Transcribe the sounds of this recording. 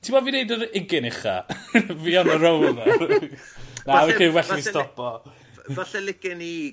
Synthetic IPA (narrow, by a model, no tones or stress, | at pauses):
tʰɪmɔvinejdəɾɪɡɪnɪχa̰viɔnəɾowlˠ | nawiəwɛɬistɔpɔ | vaɬɛlɪkɪni